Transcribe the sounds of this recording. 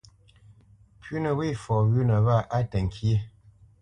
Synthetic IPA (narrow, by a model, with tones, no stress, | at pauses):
pʰɥʉ˦nə˨wi˦˨fɔ˨ɣʉ˦nə˨βa˦˨ʔa˦tə˨ŋ̩˨kʰje˦˨